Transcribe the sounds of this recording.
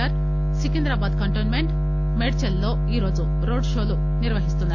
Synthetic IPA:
ɐɾ | sikind̪ɾɐbaːd̪̚kɐɳʈoːnmeɳʈ | meɽt͡ʃelːo̞ːiːɾo̞ːd͡ʒu | ɾoːɖʂo̞ːlu | niɾʋɐɦist̪und̪a

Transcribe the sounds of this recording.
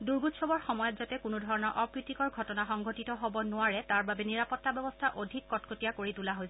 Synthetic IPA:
duɹɡutsɔbɔɹxɔmɔjɔtzatɛkʊnudʱɔɹɔnɔɹʔɔpɹitikɔɹɡʱɔtɔnaxɔŋɡʱotitɔɦobɔnʊaɹɛtaɹbabɛniɹapɔtːabjɛbɔstʰaʔodʱikːɔtkotijakoɹitulaɦojsɛ

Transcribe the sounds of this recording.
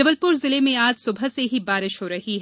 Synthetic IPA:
ɐbəlpʊɾzɪlemẽaːd͡ʒsʊbʱəseɦibaːɾɪʃɦoɾɐɦiɦɛ

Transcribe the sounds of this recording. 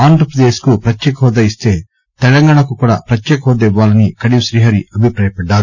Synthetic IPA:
aːnd̪ɾɐpɾɐd̪eːskupɾɐtjɛːkɐɦɔd̪ɐist̪e̞ː | t̪ɛlɐŋɡaːɳɐkukuːɽa̰ːpɾɐt̪jɛːkɐɦɔːd̪ɐiʋːaːlɐnikɐɽiʃɾiːɦɐɾiɐbʱipɾaːjɐpɐɖːaːɾu

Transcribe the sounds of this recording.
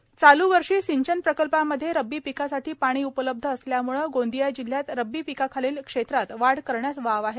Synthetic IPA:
t͡saluʋəɾʂiːsiɲt͡ɕənpɾəkəlpaməd̪ʱːjeɾəbːiːpikasaʈʰiːpaɽ̃iːupələb̚d̪ʱəːsljamuɭəɡond̪ijajd͡ʑil̤ːjat̪ɾəbːiːpikakʰaliːlkʂet̪ɾat̪ʋaɽkəɾɳjat͡sʋaʋaɦe

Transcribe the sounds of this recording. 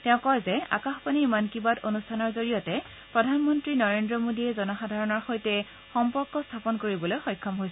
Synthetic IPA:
tɛ̃ʊ̃kɔɹzɛa̰kaxpaniːmankibadonustʰanɔɹzoɹijɔtɛ | pɹɔdʱanmɔntɹinɔɹendɹɔmodiɛzɔnɔxadʱaɹɔnɔɹxojtɛ | xɔmpɔɹkɔstʰapɔnkoɹibɔlojxɔjkʰːɔmɦojs

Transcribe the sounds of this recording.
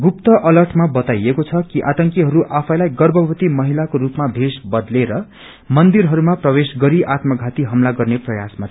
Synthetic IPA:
ɡup̚t̪ʌʔʌlʌrʈʰmabʌt̪ajekot͡sʰʌkiʔat̪ʌŋkiɦʌɾuʔapʰʌjlajɡʌrbʱʌbʌt̪imʌɦilakoɾupmabʱesbʌd̪leɾʌ | mʌnd̪iɾɦʌɾumaprʌwesɡʌɾiʔat̪mʌɡʱat̪iɦʌmlaɡʌrneprʌjasma

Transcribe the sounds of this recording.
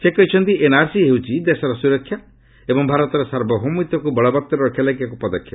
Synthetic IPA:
sekɔɦit͡ʃʰɔnt̪ienaɾsiɦewt͡ʃʰid̪esɔɾɔsuɾɔkʰːja | ebɔŋbʱaɾɔt̪ɔɾɔsaɾbɔɦɔmit̪ɔkubɔɭɔbɔt̪ːɔɾɾɔkʰjalakjak̬upɔd̪ɔkʰːjɔ

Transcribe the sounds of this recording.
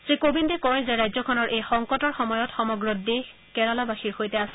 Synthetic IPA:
sɹikobindekɔɹzɛɹajzɔkʰɔnɔɹʔejxɔŋkɔtɔɹxɔmɔjɔtxɔmɔɡɹode | kɛɹalabaxiɹxojtɛasɛ̥

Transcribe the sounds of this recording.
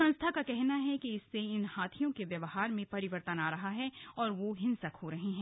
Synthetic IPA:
ɐ̃nst̪ʰakakɛɦnaɦɛkiɪsːeɪnhaːt̪ʰijõkeʋjɐʋɦaːɾmẽpɐɾɪʋəɾt̪ənaːɾɐɦaɦɛɔːɾʋoɦɪ̃nsɐkhoɾɐɦiɦɛ̃ː

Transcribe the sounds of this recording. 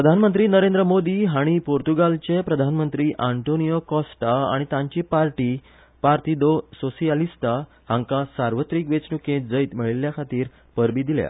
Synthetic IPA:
ppɾəd̪ʱanmənt̪ɾiːnəɾend̪ɾəmod̪iːɦaɽ̃ipoɾt̪uɡalt͡ɕepɾəd̪ʱanmənt̪ɾiːʔaɳʈonijokɔsʈaa̰ɽ̃it̪ãɲt͡ɕiːpaɾʈiː | paɾt̪id̪ososialist̪a | hãŋkasaɾʋət̪ɾiːkʋet͡snukẽt̪̚d͡zəjt̪m̤əɭiljakʰat̪iːɾ | pəɾbiːd̪ilja̰

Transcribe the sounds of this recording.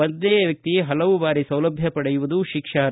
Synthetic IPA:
ɐnd̪eːʋjɐk̚t̪iɦɐlɐʋubaːɾisɐwlɐbʱjɐpɐɽejuʋud̪uʃikʂaːɾ

